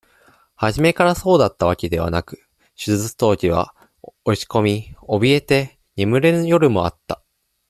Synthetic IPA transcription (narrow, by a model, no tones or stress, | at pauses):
haʑime̞kaɾaso̞ːd̪at̪ːaβ̞ake̞d̪e̞β̞a̰nakɯ̟̥ | ɕɨɨɨt͡st̪o̞ːʑiβ̞a̰ | oɕi̥ko̞mʲio̞bʲie̞t̪e̞ | ɲimɯ̟ɾẽ̞njo̞ɾɯ̟mo̞a̰t̪ːḁ